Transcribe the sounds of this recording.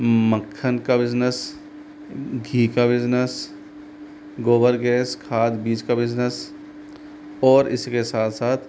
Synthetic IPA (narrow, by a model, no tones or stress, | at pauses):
məkʰːənkabɪd͡ʒnəs | ɡʱiːkabɪd͡ʒnəs | ɡoːbəɾɡɛːskʰaːd̪biːd͡ʒkabɪznəs | ɔːɾɪ̰skesaːt̪ʰsaːt̪ʰ